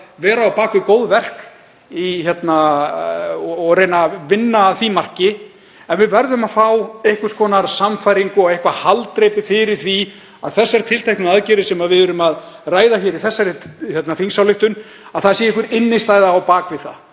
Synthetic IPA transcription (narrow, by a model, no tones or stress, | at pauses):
vɛːɾaːwpaːkvɪkoːwðvɛr̥k | içɛt̪na | ɔɣrejnavɪnːaːθimar̥cɪ | ɛnvɪðvɛɾðʏmaðfawehkʏ̥skɔːnaɾsamfajɾiŋkʏɔɣejhkvahalt̪ɾejpɪfɪɾɪɾ̥θvi | aðθɛsːaɾt̪ʰɪlt̪ʰajknʏaðcɛɾɪ̥sɛmaðvɪðɛɾʏmað | raːjðaçɛɾɪθɛsːaɾɪhjɛt̪naθiŋsawlɪht̪ʏn | aðθaðsiɛɪhkʏɾɪnːɪst̪aːjðaːwpaːkvɪðθa̰ð